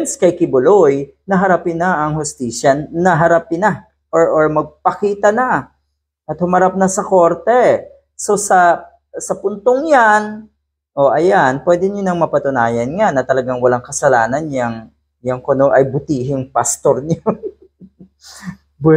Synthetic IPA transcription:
nskɐjkɪbʊloj | nɐɦɐɾapɪnɐʔɐŋhʊst̪iːsjɐnɐɦɐɾapɪnɐ | ʔoɹʔoɹmɐɡ̚pɐkiːt̪ɐnɐ | ʔɐt̪̚hʊmɐɾap̚nɐsɐko̞ɾt̪ɛ | so̞sɐ | sɐpʊnt̪oŋjan | ʔo̞ʔɐjanpwɛd̪ɪɲonɐŋmɐpɐt̪ʊnaːjɐnŋanɐt̪ɐlɐɡaŋwɐlaŋkɐsɐlaːnɐnjɐŋ | jɐŋkono̞ʔɐjbʊt̪iːɦɪŋpast̪oɾɲo

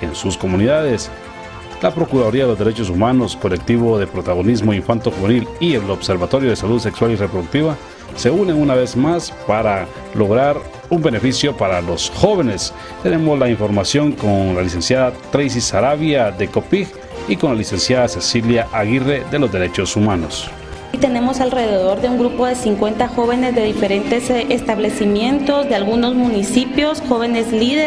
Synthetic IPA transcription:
e̞nsusko̞muniðaðe̞s | lapɾo̞kuɾaðo̞ɾiaðelo̞zd̪eɾet͡ʃo̞s̬umano̞sko̞le̞k̚t̪iβo̞ðe̞pɾo̞t̪aɣo̞nizmo̞iɱfant̪oxuβe̞nilielo̞βse̞ɾβat̪o̞ɾjo̞ð̞e̞saluðse̞kswalirepɾoðukt̪iβa | se̞une̞unaβe̞zmaspaɾa | lo̞ɣɾaɾ | umbe̞ne̞fisjo̞paɾalo̞sxo̞βe̞ne̞s | t̪ene̞mo̞zlaiɱfo̞ɾmasjo̞ŋkonlalise̞nsjaðat̪ɾejs̬isaɾaβjaðe̞kopix | ikonlalise̞nsjaðasesiljaʔaɣire̞ðe̞lo̞zde̞ɾe̞t͡ʃo̞sumano̞̰s | t̪e̞ne̞mosalre̞ðeðo̞ɾðeuŋɡɾupo̞ðe̞siŋkwe̞nt̪axo̞βe̞ne̞zd̪e̞ðife̞ɾent̪e̞sest̪aβle̞simje̞nt̪o̞zðealɣuno̞zmũnisipjo̞sxo̞βe̞ne̞zliðe

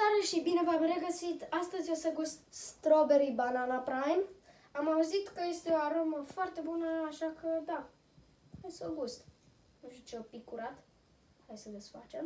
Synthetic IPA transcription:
t̪aɾeʃibine̞vamre̞ɡəsit̪ast̪əzʲjosəɡust̪st̪ɾobeɾibananapɾajm | amauzit̪kəje̞st̪e̞oaɾoməfoart̪e̞bunəaʃakʰəd̪a | hajsoɡust̪ | uʃit͡ʃeopikuɾat̪ | hajsəd̪esfa̰t͡ʃe̞m

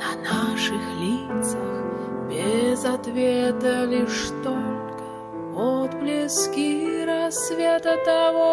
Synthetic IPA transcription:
nɐnaʂɨxlʲit̪səx | bʲezat̪vʲet̪əlʲiʂt̪olʲkə̥ | ɔt̪blʲɪskʲiɾɐsvʲet̪ət̪avɔ

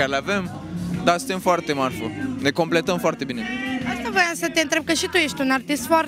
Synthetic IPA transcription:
kaɾelavem | d̪asɨnt̪emfoart̪emaɾfonekomplet̪əmfoaɾt̪ebineast̪ɐvojãnsɐt̪ẽnt̪ɾeb̚kɐʃit̪ueʃt̪unaɾt̪ist̪fɔɾ

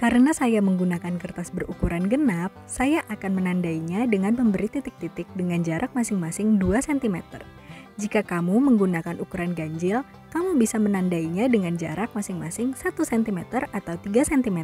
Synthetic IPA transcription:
kaɾənasajaməŋɡunakankərt̪asbərukuɾanɡənap̚sajaʔakanmənandaiɲadəŋanməmbəɾit̪it̪ɪk̚t̪it̪ɪk̚dəŋand͡ʒaɾʔak̚masɪŋmasɪŋduasɛnt̪imɛt̪ə̰r | d͡ʒikakamuməŋɡunakanʔukuɾanɡaɲd͡ʒɪl | kamubisamənandaiɲadəŋand͡ʒaɾak̚masɪŋmasɪŋsat̪usɛnt̪imɛt̪ərat̪awt̪iɡasɛnt̪imɛ

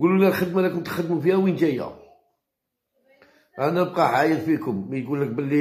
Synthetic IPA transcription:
ɡulunælxəd̪mælækʊmt̪xəd̪mufihæwinʒæjːæ̰ | ʔænæb̚qɑħajəɾfikʊmːæjɡulːək̚bəlːi

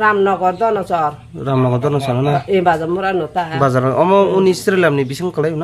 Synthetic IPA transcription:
ɾamnɔɡɔɾd̪ɔnɔsɔɾ | ɾamnɔɡɔɾd̪ɔnɔsɔɾnanaẽbad͡zamuɾanot̪abad͡zaɾaɔmɔunist̪ɾilamnibisaŋkɔlajunɔ

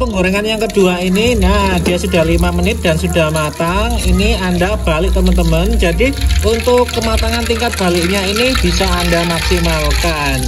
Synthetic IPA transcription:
pəŋɡoɾɛŋanjaŋkəd̥uaininad̥ijasudahlimamənɪt̪̚d̥a̤nsuda̤hmat̪aŋiniandab̥alɪʔ̚t̪əmənt̪əmənd͡ʒadiunt̪ʊkːəmat̪aŋant̪iŋkat̪̚b̥a̤lɪʔɲainib̥isaːndamaksimalka | n

